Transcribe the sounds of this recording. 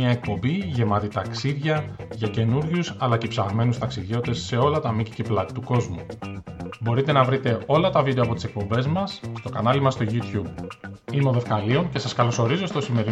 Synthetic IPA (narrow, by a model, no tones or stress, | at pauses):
ɐe̞k̚po̞mbiʝe̞mɐt̪it̪ɐksiðʝɐʝɐce̞nuɾʝusɐlɐcepsɐɣme̞nust̪ɐksiðʝo̞t̪t̪e̞sːe̞o̞lɐt̪ɐmiciceplɐit̪uko̞zmu | bo̞ɾit̪e̞nɐvɾit̪e̞o̞lɐt̪ɐvid̪eɐpo̞t̪i̥se̞k̚po̞mbe̞zmɐsst̪o̞kɐnɐlimɐst̪o̞ʝut̪çub̚imo̞ðe̞fkɐlio̞ŋce̞sɐskɐlo̞so̞ɾizo̞st̪o̞sime̞ɾi